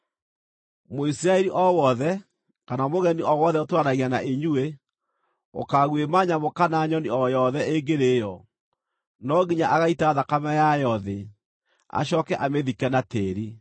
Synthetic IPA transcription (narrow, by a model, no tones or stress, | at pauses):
moisiɾaɛɾiʔɔwɔðɛ | kanamoɣɛniɔwɔðɛotwaɾaɣianaʔeɲue | o̰kaɣwemaɲamokanaɲɔniɔjɔðɛeɡeɾejɔ | nɔɣiɲaʔaɣaitaðakamajajɔðe | a̰ɕ̬ɔkɛʔameðikɛnateːɾi